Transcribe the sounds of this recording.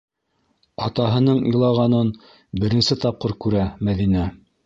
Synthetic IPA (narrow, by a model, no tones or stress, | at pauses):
ɑt̪ɑɦɤ̆nɤɴḭ̆jlˠɑʁɑnɤn | bɘ̆ɾɘ̆nsɘt̪ɑp̚qɤɾkʉɾæmæðinæ